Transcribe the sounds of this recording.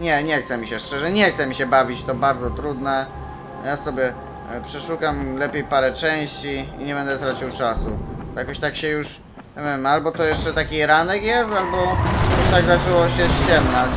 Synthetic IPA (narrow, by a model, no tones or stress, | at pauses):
ɲɛɲɛxt̪sɛmʲiɕɛʂt͡ʂɛʐɛɲɛxt̪sɛmʲiɕɛbavʲit͡ɕt̪ɔbaɾd̪zɔt̪ɾud̪nɛ | jasɔbʲjɛ | pʂɛʂukamlɛpʲjejpaɾɛt͡ʂɛ̃w̃ɕt͡ɕiḭɲɛbɛnd̪ɛt̪ɾat͡ɕiwt͡ʂasujakɔɕt̪akɕɛjuʂ | avʲɛvmalbɔt̪ɔjɛʂt͡ʂɛt̪akʲiɾanɛkjɛst̪albɔajakɔɕt̪aɡzat͡ʂɛwɔɕɛɕt͡ɕɛmna